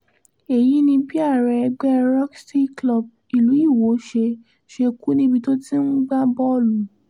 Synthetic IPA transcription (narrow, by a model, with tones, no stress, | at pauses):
e˨ji˨˦nĩ˧bi˦a˦˨ɾɛ˧ɛ˧ɡ͡bɛ˦ɾɔ˦ksti˦klɔ˦˨b̚ | i˨lu˨˦i˦˨wo˨˦ʃe˧ | ʃe˧ku˦nĩ˧˦bi˧to˦ti˦n̩˦ɡ͡ba˦bɔ˦˨lu˨˦